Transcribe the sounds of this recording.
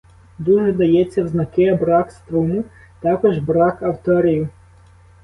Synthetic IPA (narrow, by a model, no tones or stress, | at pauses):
d̪uʒɛd̪ɐjɛt͡sʲːɐwznɐkɪɐbɾɑkst̪ɾumʊ | t̪ɑkɔʒbɾɑkɐwt̪ɔɾʲijʊ